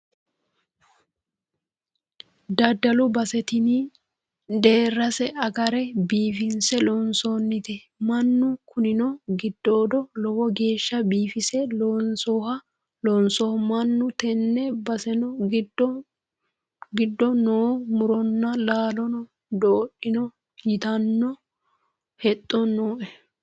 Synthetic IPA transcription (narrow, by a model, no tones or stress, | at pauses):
d̪ɐd̪ːɐlʊbɐsɛt̪ɪnɪ | d̪e̞ːrːɐsɛʔɐɡɐɾɛbiːfɪnsɛlɔnsoːnːɪt̪ɛ | mɐnːʊkʊnɪnɔɡɪd̪ːoːd̪ɔlɔwɔɡe̞ːʃːɐbiːfɪsɛlɔnsɔːhɐ | lɔnsɔhmɐnːʊt̪ɛnːɛbɐsɛnɔɡɪdɔ | ɡɪd̪ːɔnoːmʊɾɔnːɐlaːlɔnɔ | d̪oːʔɪnɔ | jɪt̪ɐnːɔ | hɛt̪ʼːɔnːoːʔɛ